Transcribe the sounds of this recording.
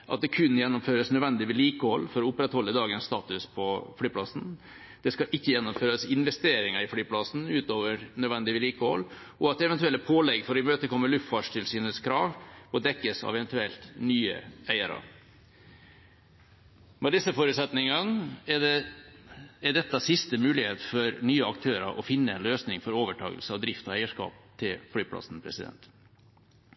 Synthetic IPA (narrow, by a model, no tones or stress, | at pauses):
ʔɑ̰t̪̚d̪ɛkʰʉnjɛnːʊmføːɾəsnœd̪ʋɛnd̪ɪʋəliːkəhɔlːfɔɾɔʊpːɾɛt̪hɔlːəd̪ɑːɡənst̪ɑːt̪ʉspʰɔfɽyːpʰlɑsn | d̪̥ɛskɑʔɪçːəjɛnːʊmføːɾəsɪnʋɛst̪eːɾɪŋəɾɪfɽyːpʰlɑsn̩ʉːt̪oːʋəɾnœd̪ʋɛnd̪ɪʋəliːkəhɔ̰lː | ɔɑt̪̚d̪ɛʋɛnt̪ʉɛlt̪əpʰoːlɛɡfɔɾɪmøːt̪əkʰɔmːəɭʉft̪fɑʂt̪ʰɪlsyːnəskʰɾɑːʋɔd̪ɛkːəsɑ̰ʋɛʋɛnt̪ʉɛlt̪nyːə̰æɪəɾɑ̰ɾ | mɛd̪ɪsːəfoːɾʉːt̪sɛt̪nɪŋɑnə | ɛɖɛt̪ːɑsɪst̪əmʉːlɪheːt̪fɔɾnyːəɑk̚t̪ʰøːɾə̰ʔɔfɪnːəɛnløːsnɪŋfɔɾoːʋəʈʰɑ̰ːɡə̰lsəɑʋd̪ɾɪft̪ɔæɪəʂkɑ̰ːp̚t̪ʰɪlflyːpʰlɑ̰sn̩pʰɾɛ̰sɪd̪ɛ̰nt̪